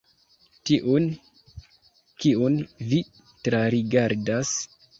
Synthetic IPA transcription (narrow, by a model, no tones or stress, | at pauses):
tiʔun | kiunvi | tɾaɾiɡaɾdas